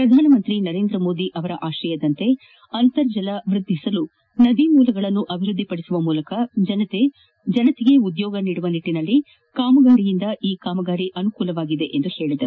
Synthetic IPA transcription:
pɾɐd̪ʱaːnɐmɐnt̪ɾinɐɾe̞ːnd̪ɾɐmo̞ːd̪iʔɐʋɐɾɐʔaːʃɐjɐd̪ɐnt̪e̞ | ɐnt̪ɐɾd͡ʒɐlɐʋɾud̪ʱːisɐlu | nɐd̪imuːlɐɡɐɭɐnːuʔɐbʱiɾud̪ʱːipɐɽisuʋɐmuːlɐkɐd͡ʒɐnɐt̪e | d͡ʒɐnɐt̪iɡe̞ud̪jɔːɡɐniːɽuʋɐniʈːinɐlːi | kaːmɐɡaːɾijind̪ɐʔiːkaːmɐɡaːɾiʔɐnukuːlɐʋaːɡid̪e̞ʔend̪uhe̞ːɭid̪ɐɾu

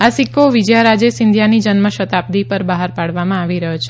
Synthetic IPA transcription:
asikːoʋɪd͡ʒjaɾad͡ʒesɪnd̪ʱjanid͡ʒənməʃət̪ap̚d̪ipəɾbaɦaɾpaɽʋamãaʋiɾəɦjot͡ʃʰe

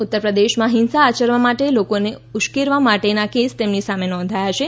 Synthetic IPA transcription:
ut̪ːəɾpɾəd̪eʃmãɦɪnsaːt͡ʃəɾʋamaʈelokone | ʊʃkeɾʋamaʈenakest̪emnisamenɔ̃nd̪ʱajat͡ʃʰe

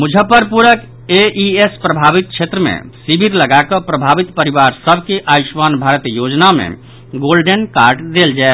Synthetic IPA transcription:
mud͡ʒʱəpəɾpuɾək | eiespɾəbʱabit̪̚t͡ʃʰet̪ɾəmḛ̃sibʱiɾləɡakəpɾəbʱabit̪pəɾibaɾsəbʱkeʔaisʋanbʱaɾət̪jod͡ʒnamḛ̃ | ɡolɖenkaɾʈd̪eld͡ʒae

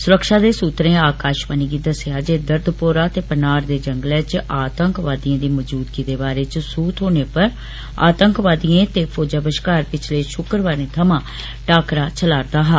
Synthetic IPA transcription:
sʊɾəkʃaːd̪eːsuːt̪ɾẽːaːkaːʃbəniːɡiːd̪əsɪaːd͡ʒeːd̪əɾd̪poːɾaːt̪eːpənaːɾd̪eːd͡ʒəŋɡlɛːt͡ʃaːt̪əŋkʋaːd̪ijẽːd̪iːməd͡ʒuːd̪ɡiːd̪eːbaːɾeːt͡ʃsuːt̪ɦoːneːpəɾ | a̰ːt̪əŋkʋaːd̪iẽːt̪eːpʰoːd͡ʒaːbəʃkaːɾpɪt͡ʃʰləːʃʊkɾʋaːɾẽːt̪ʰəmãː | ʈaːkɾaːt͡ʃʰəlaːɾd̪aːɦaː

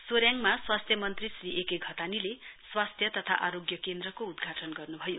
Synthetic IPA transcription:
soɾjaŋmaswast̪ʰjʌmʌnt̪risriʔekeɡʱʌt̪anileswast̪ʰjʌt̪ʌt̪ʰa̰ʔaɾoɡjʌkend̪rʌkoud̪ɡʱaʈʌnɡʌrnubʱʌjo

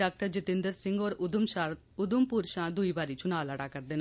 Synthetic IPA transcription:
ak̚ʈɐd͡ʒit̪ːind̪ɐɾsɪŋɡoːɾʊumaɾ | ʊðumpuːɾʃãːd̪ujʋaɾit͡ʃːunaːlɐɽaːkɐɾd̪ɪnɐ

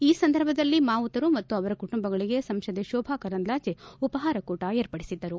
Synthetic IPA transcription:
iːsɐnd̪ʱɐɾbʱɐd̪ɐlːimaːut̪ɐɾumɐt̪ːuɐʋɐɾɐkuʈumbɐɡɐɭiɡe̞sɐmʃɐd̪eʃɔːbʱaːkɐɾɐnd̪laːt͡ʃeupɐɦaːɾɐkuːʈaeːɾpɐɽisid̪ːɐɾu

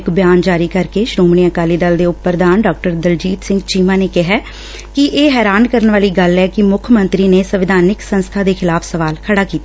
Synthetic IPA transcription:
kbɪjaːnd͡ʒaːɾiːkəɾkeːʃɾoːmɳ̃iːəkaːliːd̪əld̪eːʊpːəɾd̪aːnɖaːk̚ʈəɾd̪əld͡ʒiːt̪sɪŋɡt͡ʃiːmãːneːkɪɦɛː | kɪʔeːɦɛːɾaːnkəɾənʋaːliːɡəlɛːkɪmʊkʰmə̃nt̪ɾiːneːsəʋɪd̪ʱaːnɪksənst̪ʰaːd̪eːkʰɪlaːpʰsəʋaːlkʰəɽaːkiːt̪aː

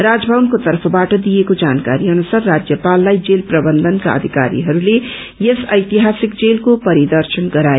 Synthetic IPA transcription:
rad͡zbʱabnkot̪ʌrpʰʌbaʈʌd̪ijekod͡zankaɾiʌnusarːad͡zjʌpalːajd͡zelprʌbʌnd̪ʱʌnka̰ʌ̰d̪ʱika̰ɾḭɦʌɾule | jesʌjt̪iɦasik̚d͡zelkopʌɾid̪ʌrsʌnɡʌɾae

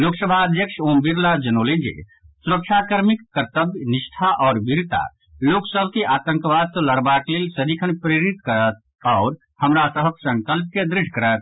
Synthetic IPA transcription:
loːksəbʱaəd̪jəkʃoːmbiɾlad͡ʒənoːlid͡ʒḛ | suɾəkʃʰakəɾmikːəɾt̪əbjnɪʃʈʰaʔɔːɾbiɾt̪a̰ | loːksəbʱkiʔaːt̪ə̃ŋkʋaːt̪ləɾbaːkleːlsəɾikʰənpɾeɾit̪kəɾət̪̚ | ɔːɾ | həmɾasəɦəksə̃ŋkəlp̚ked̪ɾɪʃkəɾət̪̚

